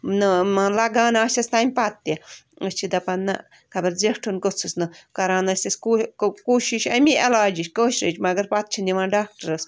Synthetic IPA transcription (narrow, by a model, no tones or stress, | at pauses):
nɨmãːlɐɡaːnaːʃʲɐst̪aːmʲpat̪ːiɐst͡ʃʰid̪ɐpɐnːɐ̰ | kʰɐbɐɾzeʈʰunkot͡sʰusnɨkɐɾãːnɐsʲt̪ɐskukuːʃiʃɐmʲiɐlaːd͡ʒiʃkoːʃɾɐt͡ʃmɐɡɐɾpat̪̚t͡ʃʰind̪ʲiʋãːɖaːk̚ʈɐɾɐs